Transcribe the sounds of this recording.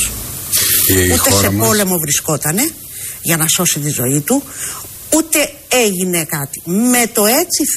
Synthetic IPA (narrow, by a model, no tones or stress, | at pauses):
ut̪ese̞po̞le̞mo̞vɾisko̞t̪ɐne̞ | ʝɐnɐso̞sit̪izo̞̰it̪u | ut̪e̞ | eʝine̞kɐt̪i̥me̞t̪o̞e̞t͡si